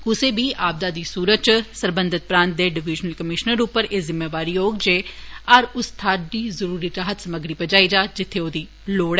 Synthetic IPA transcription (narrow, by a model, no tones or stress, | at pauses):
kʊseːbʱiːʔaːb̚d̪aːd̪iːsuːɾət͡ʃsəɾbənd̪ʱɪt̪̚pɾãːnt̪̚d̪eːɖɪʋɪd͡ʒnəlkəmɪʃnəɾʊpːəɾeːzɪmeːʋaːɾiːjoːɡd͡ʒeːəɾʊst̪ʰaːɾd̪iːzəɾuːɾiːɾaːɦət̪səməɡɾiːpəd͡ʒaːiːd͡ʒaːd͡ʒɪt̪ʰːeːoːd̪iː | loːɽɛː